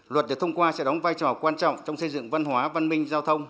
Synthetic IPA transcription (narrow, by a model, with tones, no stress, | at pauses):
lwə˨˩t̚ɗi˨˩t̪ʰə˧ŋ͡mkwaː˧sɛ̰˧˥ɗɔ˨˦ŋ͡mvaː˧jt͡ɕɔ˨˩kwaː˧nt͡ɕɔ̰˧˨ŋ͡mt͡ɕɔ˧wŋ͡msə˧jzɨ̰˧˨ŋva˧nhwaː˨˦va˧nmï˧ŋ̟zaː˧wt̪ʰə˧wŋ͡m